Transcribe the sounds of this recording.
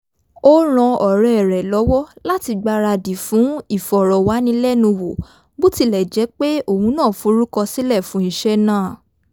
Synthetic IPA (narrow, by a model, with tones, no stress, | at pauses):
o˦ɾ̃ɔ̃˧ɔ˨ɾɛ˨ɛ˨ɾɛ˨lɔ˨˦wɔ˦la˦ti˧ɡ͡ba˧ɾa˧di˨fũ˨˦i˦˨fɔ˨ɾɔ˨wa˨˦nĩ˧lɛ˦˨nũ˧wo˨ | bo˦ti˧lɛ˨d͡ʒɛ˨˦k͡pe˦o˦˨hũ˨˦nãː˦˨fũ˨˦ɾu˦kɔ˧si˦lɛ˦˨fũ˨˦ñ̩˨ʃɛ˧nãː˦˨